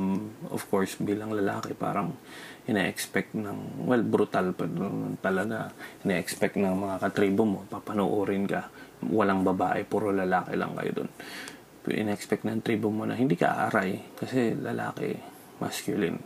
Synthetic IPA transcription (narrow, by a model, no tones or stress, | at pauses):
mʔo̰fkoɹsbiːlɐŋlɐla̰ːkɛpa̰ːɾɐŋʔɪnɛʔɛkspɛk̚t̪nɐŋwɛlbɾʊt̪alpɛɾot̪ɐlɐɡaʔɪnɛʔɛkspɛk̚t̪̚nɐŋmɐŋakɐt̪ɾiːbomo̞papɐnoʔoːɾɪnkɐwɐlaŋbɐbaːʔɛpuːɾolɐlaːkɛ̰lɐ̰ŋkɐ̰jo̰d̪o̰n | pɛ̰ʔɪ̰nːʔɛkspɛk̚t̪nɐŋt̪ɾiːbomo̞nɐ̰hɪnd̪ikɐ̰ʔa̰ʔɐɾajkɐsɛlɐla̰ːkɛ̰ | ma̰skjʊlɪ̰n